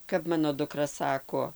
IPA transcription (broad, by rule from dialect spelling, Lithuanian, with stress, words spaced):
kɐp ˈmɑːnoː dʊˈkrɐ ˈsɑːkoː